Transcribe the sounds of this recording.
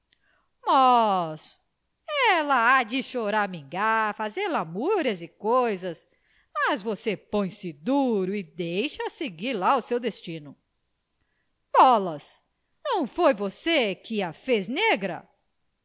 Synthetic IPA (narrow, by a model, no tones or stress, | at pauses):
mɔs | ɛlɐad͡ʒɪʃoɾaɾmĩɡaɾfazeɾlamuɾɐzɪkojzɐs | mɐzvosepõj̃sɪd̪uɾʊɪd̪ejʃɐseɡiɾlaʊsewd̪est͡ʃĩnʊ | b̥ɔlɐs | nɐ̃w̃fojvosekɪɐfezneɡɾɐ̰